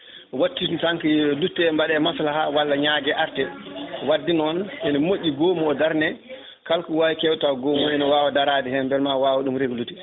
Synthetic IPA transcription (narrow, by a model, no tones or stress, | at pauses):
watːintaŋkidutːɛmbaɗɛmaslahawalːaɲaːɡɛʔaɾtɛwadːinɔnɛnɔmoʔːiɡoːmuɔdaɾnɛ | kalkuwawikɛwtawɡomɔɛnɔwaːwadaɾadɛhɛmbɛlmawaːwɔɗumɾeɡluti